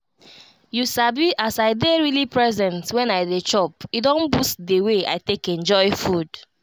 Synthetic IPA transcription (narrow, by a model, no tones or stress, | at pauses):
jusabiʔasaɪdeɹilipɹɛzɛ̃ntwɛ̃najdet͡ʃɔpidõnbustdewea̰ɪtekɛ̃nd͡ʒɔɪfud